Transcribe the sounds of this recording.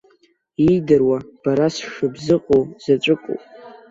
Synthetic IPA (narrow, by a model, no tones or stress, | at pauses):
ijdɨrwab̥aɾasʃʊbzɨqʼowz̥at͡ʃʷʼɨkʷʼo̰wpʼ